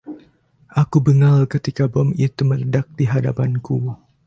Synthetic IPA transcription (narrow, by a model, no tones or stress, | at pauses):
ʔakubəŋalkət̪ikabɔmit̪umələdak̚diɦada̰panku